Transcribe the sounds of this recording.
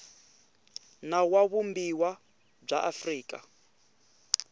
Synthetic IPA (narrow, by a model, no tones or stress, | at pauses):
nawaβumbiwa | b͡ʐaʔafriːkʼa̰